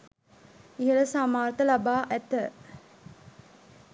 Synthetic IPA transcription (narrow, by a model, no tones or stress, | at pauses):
iɦələsamaːɾt̪əlabaːʔæt̪ə